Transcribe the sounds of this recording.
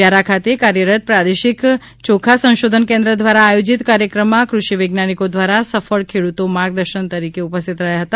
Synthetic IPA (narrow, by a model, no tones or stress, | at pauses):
jaɾakʰat̪ekaɾjəɾət̪̚pɾad̪eʃik | t͡ʃokʰasə̃w̃ʃod̪ʱənkẽnd̪ɾəd̪ʋaɾaːjod͡ʒit̪kaɾjəkɾəmːãkɾuʃiʋeɡnanikod̪ʋaɾasəfəɭkʰeɽut̪omaɾɡ̚d̪əɾʃənt̪əɾikeupəst̪ʰit̪ɾəɦjaɦət̪a